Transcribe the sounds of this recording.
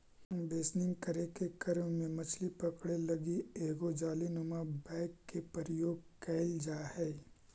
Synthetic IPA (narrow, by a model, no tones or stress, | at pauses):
b̪eːsnɪ̃ŋɡkəɾekekɐɾmmẽmɐt͡ʃʰlipɐkɽelɐɡieːɡod͡ʒaːlinʊmabɛːkːepəɾjoːɡ̚kɛɪld͡ʒaːhɛː